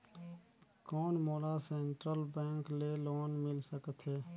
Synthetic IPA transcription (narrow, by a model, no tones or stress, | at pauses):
kɔːnmoːlaseːɳʈɾəlbɛ̃ːŋkleloːnmɪlsəkət̪ɦɛː